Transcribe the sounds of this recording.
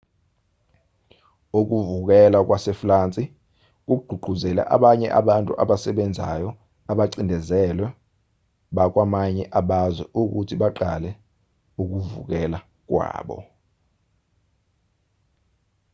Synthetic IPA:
uk̬uvuk̬ɛlak̬wasɛflant͡sʼi | k̬uɡ͡ǃʱuɡ͡ǃʱuzɛla̰ʔa̰ɓaɲɛ̰ʔa̰ɓantʼṵʔaɓasɛɓɛnd͡zʱajɔ | aɓaǀindʱɛzɛlwɛ | ɓak̬ʼwamaɲɛʔaɓazwɛʔuk̬utʰiɓaǃalɛ | uk̬uvṵk̬ɛla | k̬wa̰ːɓɔ̰

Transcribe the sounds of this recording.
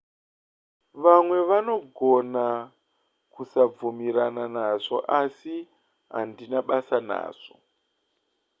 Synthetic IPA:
ʋamwe̞ʋano̞ɡʱona | kusavumiɾananaʐoʔasi | ɦa̰ndinaɓasana̰ːʂo̥

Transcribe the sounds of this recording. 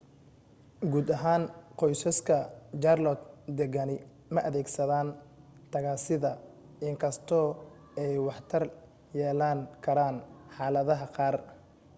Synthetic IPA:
ɡuːd̪ɐɦaːnqɔjsɐskʰɐt͡ʃarlɔt̪d̪ɛɣɐnɪ | mɐʔɐðɛːɡsɐðaːn | t̪ʰɐɣaːsɪðɐ | ɪŋkʰɐst̪ʰɔː | ɛjwɑħt̪ʰɐr | jɛːlaːŋkʰɐɾaːnħɑːlɐðɐɦɐqɑːr

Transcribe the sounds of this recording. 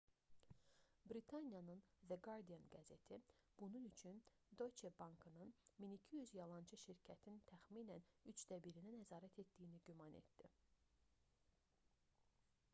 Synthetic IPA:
bɾit̪ʰɑnijɑnɯnvæɡɑɾd̪ijɑnɡæze̞t̪ʰib̥ununyt͡ʃʰyn | d̪o̞jt͡ʃebɑŋkʰɯnɯnminicʰijyzjɑlˠɑnt͡ʃʰɯʃiɾcʰæt̪ʰint̪ʰæxmiːnænyt͡ʃd̪̥æbiɾinænæzɑːɾæt̪ʰe̞t̪d̪ijːniɟymɑnḛt̪d̪̥i

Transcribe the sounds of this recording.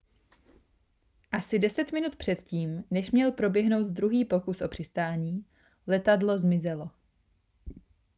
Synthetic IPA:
ʔasɪdɛsɛt̪mɪnut̪pr̥ɛt̪ciːmnɛʃmɲɛlpɾo̞bjɛɦno̞wt̪d̪ɾuɦiːpo̞kusʔo̞pr̥ɪst̪aːɲiː | lɛt̪adlo̞zmɪzɛlo̞

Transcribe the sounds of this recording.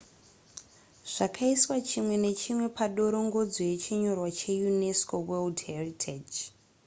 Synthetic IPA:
ʐ̥akʰaiswat͡ʃimwe̞ne̞t͡ʃimwe̞pʰaɗo̞ɾo̞ŋɡo̞d͡zoje̞t͡ʃiɲo̞rwat͡ʃe̞juneskoweldheritʰed͡ʒ

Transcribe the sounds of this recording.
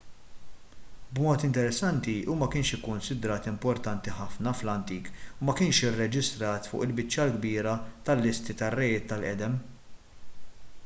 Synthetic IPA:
bmɔːt̪ɪnt̪ɛɾɛsːɐnt̪iumɐkɪːnʃɪkːʊnsɪd̪ɾɐːt̪ɪmpɔɾt̪ɐnt̪iħɐfnɐflɐnt̪iːkumɐkɪːnʃɪrːɛd͡ʒɪst̪ɾɐːt̪fʊ̰ːʔɪlbɪt͡ʃːɐlɡbiːɾɐt̪ɐlːɪst̪it̪ɐrːɐjɪːt̪ːɐlʔɛ̰d̪ɛm

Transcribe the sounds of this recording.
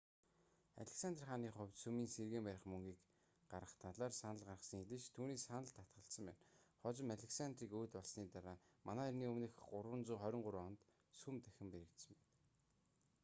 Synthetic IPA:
a̰ɮĕksant̪rχaːniːχʊ̟wʲt̪sumiːnserɣeːmpæɾʲɪ̆χmɵŋɡiːk | ɢaɾə̆χt̪ʰaɮaːrsanə̆ɮɢarə̆sə̆ŋeɮɘ̆ʃt̪ʰuːniːsanə̆ɮt̪ʰːat̪̚ɢə̆ɬsə̆mpæ̰ːnχɔt͡ɕɪ̆maɮʲeksant̪riːkuːt̪pɔɮsniːt̪aɾaːmanaːirniːɵmnɘ̆xɢʊɾwə̆nt͡suːχœɾʲɪ̆ɴɢʊɾɔnt̪ | sumt̪æxʲɪ̆mpeɾɘ̆kt̪sə̆mpæn

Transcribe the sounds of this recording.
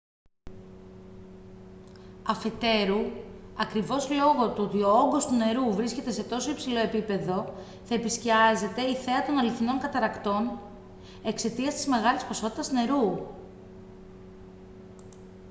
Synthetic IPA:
ɐfe̞t̪e̞ɾuɐkɾivo̞zlo̞ɣot̪uot̪io̞oŋɡo̞st̪une̞ɾuvɾisce̞t̪e̞se̞t̪o̞so̞ipsilo̞e̞pipe̞ðo̞ | θɐe̞pisciɐze̞t̪e̞iθe̞ɐt̪onɐliθino̞ŋkɐt̪ɐɾɐkt̪o̞n | e̞kse̞t̪iɐst̪i̥zme̞ɣɐlispo̞so̞t̪it̪ɐsne̞ɾu

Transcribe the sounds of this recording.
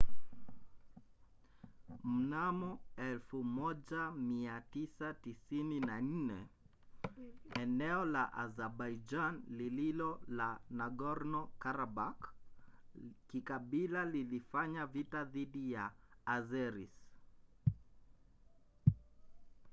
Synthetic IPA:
m̩namɔɛlfumɔʄamiatisatisininan̩nɛ | ɛnɛɔlaʔazɛɾbaid͡ʒanlililɔlanaɡɔɾnɔkaɾabak | kikaɓilalilifaɲavitaðiɗijaːzɛɾis

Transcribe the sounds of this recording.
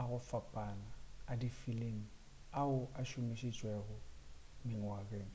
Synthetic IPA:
aɣʊfapʼanaːdifileŋ̩ | aʊʔaʃʊmɪʃit͡ʃʼwɛɣʊmɪŋ̩wakʼeːŋ̩

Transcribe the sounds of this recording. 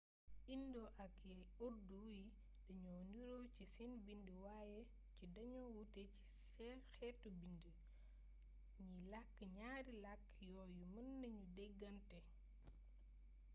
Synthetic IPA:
ʔindɔʔɐkɛ | oɾduji | dɐɲɔndiɾowcisɛnbindəwajɛ | cidɐɲɔwutɛci̥sɛxɛtːubində | ɲilakːəɲaːɾilakː | jɔːjumɐnːɐɲudɛɡːɐntɛ

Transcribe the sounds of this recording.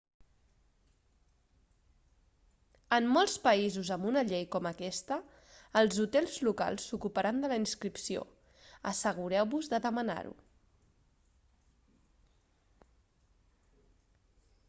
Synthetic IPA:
əmːɔlˠspəizuzəmbunəʎejkɔməkɛst̪əː | lˠzut̪ɛlˠzluka̰lˠsːukupəɾand̪ələinskɾipsio̰ | əsəɣ̞uɾɛwβuzðəðəməna̰ɾṵ

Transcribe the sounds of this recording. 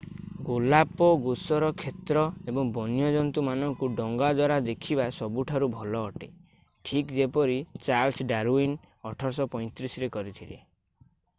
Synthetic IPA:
ɡulapɔɡusɔɾɔkʰet̪ɾɔebɔŋbɔnjɔd͡ʒɔnt̪umanɔŋkuɖɔŋɡad̪waɾad̪ekʰibasɔbuʈʰaɾubʱɔlɔːʈe | ʈʰikd͡ʒepɔɾit͡ʃaɾlsɖaɾuin | ɔʈʰɔɾsɔpɔj̃t̪ɾisɾekɔɾit̪ʰilḛ

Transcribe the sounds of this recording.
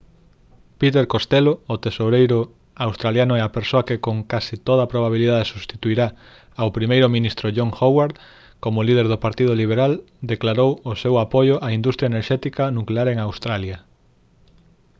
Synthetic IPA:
pit̪eɾkost̪eloːt̪esoɾejɾʊ | awst̪ɾaljanʊɛapeɾsoɐkekoŋkasit̪oð̞ɐapɾoβaβ̞iliðaðesust̪it̪uiɾa | awpɾimejɾomĩnist̪ɾoʎoŋxowaɾð | komʊlið̞eɾðopaɾt̪ið̞oliβ̞eɾal | d̪eklaɾowosewapojoʔaind̪ust̪ɾjaeneɾʃɛt̪ikanukleaɾeŋawst̪ɾaljɐ

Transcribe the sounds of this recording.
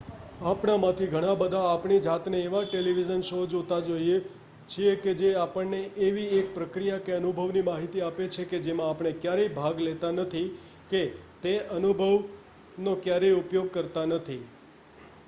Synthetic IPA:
apɳ̃amãt̪ʰiɡʱəɽ̃ãbəd̪ʱaːpɳ̃id͡ʒat̪neːʋãʈeliʋid͡ʒənʃod͡ʒot̪ad͡ʒoie | t͡ʃʰieked͡ʒeapəɳneʔeʋiek̚pɾəkɾijakeənubʱəʋnimaɦit̪iapet͡ʃʰeked͡ʒemãːpɳ̃ekjaɾebʱaɡlet̪anət̪ʰi | ket̪eənubʱəʋ | nokjaɾeupjoɡ̚kəɾt̪anət̪ʰi

